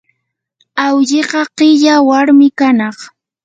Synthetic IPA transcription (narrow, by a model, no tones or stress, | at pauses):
awʎɪqɑqɪʎawaɾmɪkanɑχ